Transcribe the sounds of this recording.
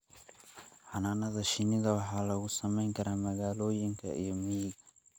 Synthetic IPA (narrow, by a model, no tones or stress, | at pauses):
ħɑnaːnɐðɐʃɪnɪðɐwɑħɑːlɐɣʊsɐmɛjŋkʰɐɾaːmɐɣaːlɔːjɪŋkʰɐ̰ʔḭjɔmijɪɣɐ